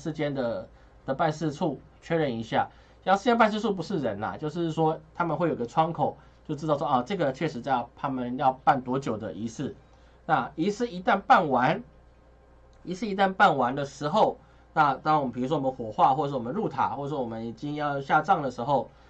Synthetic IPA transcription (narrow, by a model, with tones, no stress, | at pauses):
ʂɻ̩˥˧t͡ɕjɛ˥nd̪ə˨ | d̪̥ə˨pa˥˧nʂɻ̩˥˧ʈ͡ʂʰu˥˩ | t͡ɕʰɥɛ˥ɻə˧˩ni˧˥ɕja̰˥˩˨ | ʂ̩˥˧˥p̬a˥˧ns̬ɻ̩˥˧t͡sʰu˥˩p̬u˧˥ʂɻ̩˥˩ɻə˧˦na̰˨t͡ɕjo˥˧ʊʂ̬ɻ̩˥˩swɔ˥t̪ʰa˥mə˨nxwe˥˩jo˨˩i˧ɡə˧ʈ͡ʂʰwɑ˥ŋkʰo˨˩˦ʊ | t͡ɕjo˥˧ʊʈ͡ʂɻ̩˥t̪ɑ˥˧ʊsʂwɔ˦˨˩ʈ͡ʂɤ˥˩ɡə˩t͡ɕʰɥɛ˥˩ʂɻ̩˧˥t͡ɕa˥˧˩t̪ʰa˥mə˨njɑ˥˧ʊpa˥˩nt̪wɔ˧˥t͡ɕjo˨˩ʊd̪ə˩ʔi˧˥sɹ̩˥˩ | na˥˩i˧˥sɹ̩˥˩i˧˦˥t̪a˥˧npa˥˩nwa˧˦n | i˧˥sɹ̩˥˩i˧t̪̬a˥˧npa˥˩nwa˧˦nd̪ə˨ʂɻ̩˧˥xo˥˩ʊ | na˥˧t̪ɑ˥˦ŋwɔ˨mə˧pʰi˨˩ɻu˥ʂwɔ˥wɔ˨mə˧˦xwɔ˨˩xwa˥˧xwɔ˥˩˨ʂ̬wɔ˨˩ə˦nɻu˥˩t̪ʰa̰˨˩xwɔ˥˩ə˩ʂwɔ˥wɔ˨˩mə˦ni˨˩t͡ɕi˦˥ŋjɑ˥˧ʊɕja˥˧ʈ͡ʂɑ˥˩ŋd̪ə˩ʂɻ̩˧˥xo˥˩ʊ